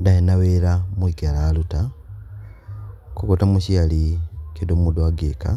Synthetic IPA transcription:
dajenaweɾamwiɡeɾaːluta | kukotamuʃialikedomudwaɡeka̰

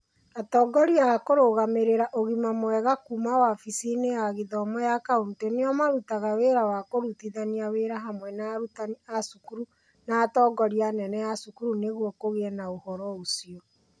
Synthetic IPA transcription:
atɔːɡɔɾiaːkoɾoɣameɾeɾaʔoɣimamwɛɣakumawafisinejaɣiðɔmɔjakaonteneɔmaɾutaɣaweɾawakoɾutiðaniaweɾaɦamwɛnaɾutaniasukuɾu | naːtɔːɡɔɾianɛnɛjasukuɾuneɣwɔkoɣeɛnaohɔɾɔosiɔ

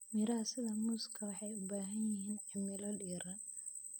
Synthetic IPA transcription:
mɪɾɐɐsɪðɐmʊːskʰɐwɑħɑjʊbaːɦɐnjɪɦiːnʕɪmɪlɔliːɾɐn

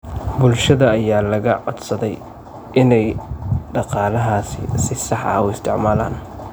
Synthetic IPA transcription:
bʊlʃɐðɐːjaːlɐɣɐʕɔd̪sɐðɛj | ʔɪnɛjɖɑqɑːlɐɦaːsɪ̰sɪsɑħɐ̰ʊɪst̪ʰɪʕmaːla̰ːn

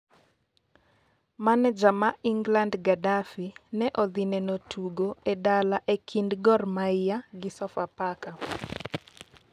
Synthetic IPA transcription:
manɛd͡ʒamaiŋɡlandɡadafinɛʔɔd̪inɛnotʰuɡoedalaʔekʰindɡɔrmaɪjaɡɪsɔfapaka

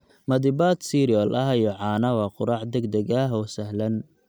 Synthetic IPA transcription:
mɐd̪ɪbaːd̪siːɾiɔlʔɐɦɐjɔʕɑːnɐwɑːqʊɾɑʕd̪ɐɡd̪ɐɣɐɦɔːsɐɦlɐn

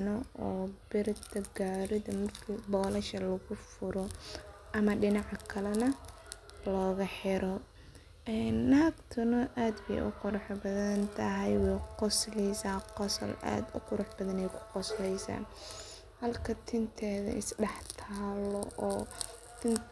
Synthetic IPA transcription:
nɔɔːbɪɾɪt̪ɐɡaːɾɪðɐmɐrkʰibɔːlɐʃɐlɐɣʊfʊɾɔʔɐmɐɖɪnɑʕkʰɐlɐnɐ | lɔːɣɐħɪɾɔ | ɛnːaːɡt̪ʰʊnɔʔaːd̪bɛ̰jʔʊ̰qʊɾʊħbɐðɐɐnt̪ʰɐɦɛjwɛjqɔslɛjsaːqɔsɐ̰lʔa̰ːd̪ʊ̰qʊɾʊħbɐðɐnɛjkʰʊ̥qɔslɛjsa̰ːn | hɐlkʰɐt̪ʰɪnt̪ʰɛːðɐ̰ʔɪsɖɛħt̪ʰaːlɔʔɔː | t̪ʰɪn

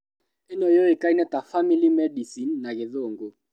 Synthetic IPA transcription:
ɛnɔjɔikainɛt̪afamilimɛdisinːakɛðoːŋɡo

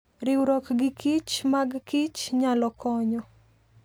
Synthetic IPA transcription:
ɾɪwɾɔkɡɪkʰit͡ʃmaɡkit͡ʃɲalɔkʰɔɲɔ

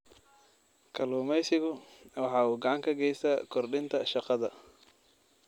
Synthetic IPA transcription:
kʰɐluːmɛjsɪɣʊwɑħɑːuːɡɑʕɑŋkʰɐɡɛjst̪akʰɔrɖɪnt̪ʰɐʃɑqɑðɐ

